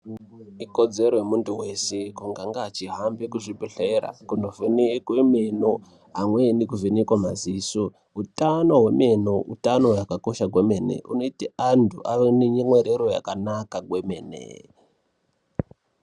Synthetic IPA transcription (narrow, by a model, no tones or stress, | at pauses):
iko̞d͡ze̞ɾojemuntuɦwe̞sekuŋɡaŋɡaːt͡ʃiɦambekuʐipeɬeɾa̰kuno̞venikwemeno | ɦamwenik̬uvenekwamaziso | ɦutano̞ɦemeno̞ʔutano̞jakako̞ʃakwemenḛʔunoitiantʰuʔaʋeneɲimweɾeɾo̞ja̰kanakakweme̞ːnḛ